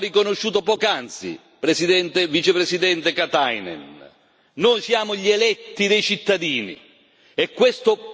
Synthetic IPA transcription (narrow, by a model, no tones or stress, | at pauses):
rikonoʃːuːt̪opɔːkant̪sḭ | pɾesid̪ɛnt̪evit͡ʃepɾesid̪ɛnt̪ekat̪ajnɛ̰n | noːjsjaːmʊʎelɛt̪ːid̪ejt͡ʃit̪ːad̪iːnḭ | ɛkːwest̪ʊ